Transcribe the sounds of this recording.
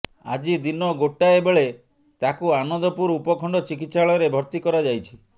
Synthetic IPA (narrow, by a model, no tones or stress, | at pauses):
a̰d͡ʒid̪inɔɡoʈːaebeɭe | t̪akuanɔnd̪ɔpuɾupɔkʰɔɳɖɔt͡ʃikit̪saɭɔjɔɾebʱɔɾt̪ikɔɾad͡ʒajt͡ʃʰi̥